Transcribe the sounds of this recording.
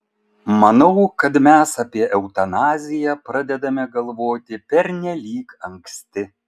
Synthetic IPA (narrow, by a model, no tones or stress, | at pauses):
mɐnɐʊkɐt̪mʲæsɐpʲiɛʔɛʊt̪ɐnɑːzʲɪjɛpɾɐd̪ʲɛd̪ɐmʲɛɡɐlˠʋoːt̪ʲɪpʲɛɾʲnʲɛlʲiːkɐŋksʲt̪ʲɪ